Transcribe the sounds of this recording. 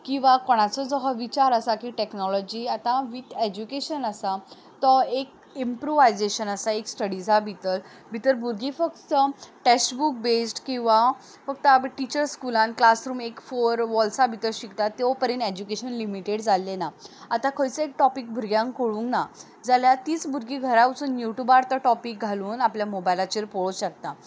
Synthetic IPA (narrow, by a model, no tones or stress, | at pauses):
kĩw̃ʋakɔɽ̃at͡sɔd͡zɔɦaʋit͡ɕaɾəsakiʈeknɔlɔd͡ʑiat̪ãʋit̪ed͡ʑukeɕənəsa | t̪ɔek̚ | impɾoʋajd͡zeɕənəsaeksʈəɽid͡zʱabʱit̪əl | bʱit̪əɾbuɾɡʱifəkt̪əʈɛɕbuk̚besʈkĩw̃ʋa | fək̚t̪əʈit͡ɕəɾskulãnklasɾuːmekfoɾʋɔlsabʱit̪əɾɕikt̪at̪ːjɔpəɾẽned͡ʑukeɕənlimiʈeɽd͡zalːenaat̪ãkʰəjt͡səek̚ʈɔpik̚bʱuɾɡjãŋkkoɭũŋkna | d͡zaljat̪iːt͡sbʱuɾɡiɡʱəɾaʋut͡sunjuʈjubaɾt̪əʈɔpik̚ɡʱaluːnapljamobajlat͡ɕeɾpoɭuɕək̚t̪a